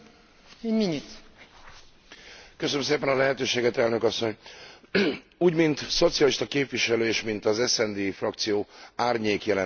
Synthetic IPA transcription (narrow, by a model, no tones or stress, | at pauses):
eɲminit̪ | køsønms̬eːpɛnɒlɛɦɛt̪øːʃeːɡɛt̪ɛlnøkɒsːo̞ɲ | uːɟmint̪so̞t̪sijɒliʃt̪ɒkeːpʋiʃɛløːeːʃmint̪ɒzɛsɛnd̪eːfrɒkt̪sijoːaːrɲeːkjɛlɛ